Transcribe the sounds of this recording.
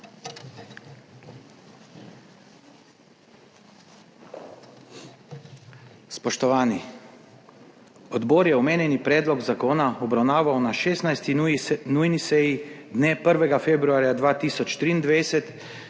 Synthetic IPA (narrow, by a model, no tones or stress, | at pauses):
spɔʃt̪ɔʋaːni | ɔd̪bɔːɾjɛɔmeːnjɛnipɾɛːd̪lɔɡzakoːnaɔbɾawnaːʋawnaʃeːsnajst̪inujnisɛjid̪neːpəɾʋɛɡafeːbɾuaːɾjad̪ʋaːt̪iːsɔt͡ʃt̪ɾiːnd̪ʋajsɛt̪